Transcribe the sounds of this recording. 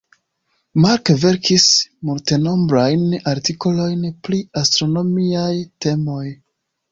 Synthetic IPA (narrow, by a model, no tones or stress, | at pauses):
maɾkve̞ɾkismulte̞no̞mbɾajnaɾtiko̞lo̞jnpliastɾo̞no̞miajte̞mo̞j